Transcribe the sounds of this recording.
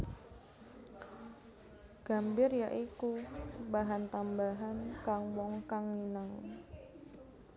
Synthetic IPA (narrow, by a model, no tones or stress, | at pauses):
ɡ̥a̤mbɪrjaʔikubaɦant̪ambaɦankaŋwɔŋkaŋːinaŋ